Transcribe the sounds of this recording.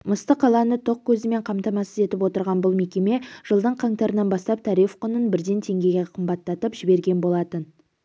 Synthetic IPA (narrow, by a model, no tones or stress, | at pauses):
məst̪əqʰɑlˠɑnət̪ʰo̞q̚kʲʰɵzɪme̞ɴqʰɑmt̪ɑmɑsəze̞t̪ɪpwo̞t̪əɾʁɑnbʊlˠme̞kʲe̞me̞ʒ̥əlˠd̪əɴqʰɑŋt̪ɑɾənɑnbɑst̪ɑp̚t̪ʰɑɾifqʰʊnənbɪɾd̪e̞nt̪ʰe̞ŋɡʲe̞ɡʲeqʰəmbɑt̪ːɑt̪əpʒɪbe̞ɾɡʲe̞nbolˠɑt̪ən